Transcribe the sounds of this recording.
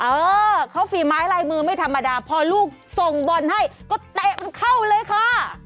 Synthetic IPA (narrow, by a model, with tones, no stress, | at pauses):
ʔɤː˧kʰa˦˥wfiː˧˩maː˦˥jlaː˧jmɯː˧ma˥˩jt̪ʰa˧mːa˧daː˧pʰɔː˧luː˥˩k̚so˨˩ŋbo˧nha˥˩jkɔː˥˩t̪ɛ˨˩ma˧nkʰa˥˩wlɤː˧jkʰlaː˧˥˩